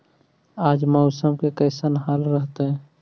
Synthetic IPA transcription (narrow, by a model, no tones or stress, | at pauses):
aːd͡ʒmɔʊsəmkekəɪsənɦaːlɾəɦt̪eɦɛː